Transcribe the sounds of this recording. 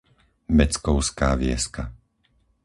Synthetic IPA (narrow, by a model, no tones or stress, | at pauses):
mɛt͡skɔʊskaːʋɪɛ̰ska